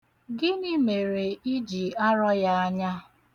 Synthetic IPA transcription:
ɡɪ˦ni˦me˨ɾe˨i˦d͡ʒi˨a˦ɾɔ˦ja˦a˦ɲa˦

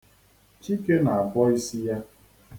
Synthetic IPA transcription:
t͡ʃi˦ke˦na˨a˨bɔ˦i˦si˦ja˦

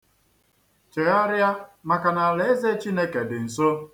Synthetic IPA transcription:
t͡ʃe˨a˦ɾja˦ma˨ka˨na˨le˨˦e˦ze˦t͡ʃi˦ne˦ke˨dɪ˨n̩˨so˦

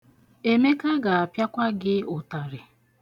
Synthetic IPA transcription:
e˦me˦ka˦ɡa˨a˨pja˦kʷa˦ɡɪ˦ʊ˨ta˨ɾɪ˨

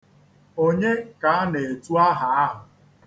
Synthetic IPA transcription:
o˦ɲe˦ka˦a˦ne˨e˨tu˦a˦ɦa˨a˦ɦʊ˨

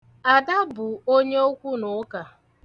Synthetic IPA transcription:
a˨da˦bʊ˨o˦ɲe˦o˦kʷu˦nʊ˨˦ka˨

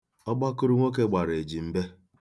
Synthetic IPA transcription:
ɔ˦ɡ͡ba˦kʊ˦ɾu˦ŋʷo˦k̬e˦ɡ͡ba˨ɾe˨d͡ʒi˨m̩˦be˦

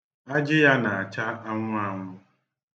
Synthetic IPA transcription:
a˦d͡ʒɪ˦ja˦na˨a˨t͡ʃa˦a˦ŋʷʊ˦a˨ŋʷʊ˦

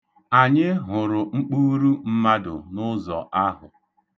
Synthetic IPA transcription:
a˨ɲɪ˦ɦʊ˨ɾʊ˨ŋ͡m̩˦k͡pu˦ɾu˦m̩˦ma˦dʊ̰˨nʊ˦zɔ̰˨ʔa˦ɦʊ˨

